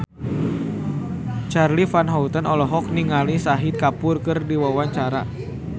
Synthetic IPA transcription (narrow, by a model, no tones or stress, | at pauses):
t͡ʃarlifanɦaut̪ənɔlɔɦɔk̚niŋalisaɦit̪̚kapʊrkɨrdiwawaɲt͡ʃaɾa